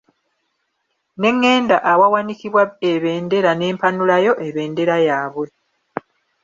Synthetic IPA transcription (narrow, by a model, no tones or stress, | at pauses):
ne̞ŋːe̞ːndaʔːwawanikiβwaeβe̞ːnde̞ɾane̞ːmpanulajo̞ʔe̞βe̞ːnde̞ɾajaːβwe̞